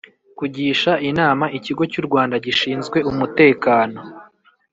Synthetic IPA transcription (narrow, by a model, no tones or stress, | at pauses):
kuɟiːʃainaːmaʔiciɡo̞cuɾɡwaːndaɟiʃiːnzɡwe̞umute̞ːkaːno̞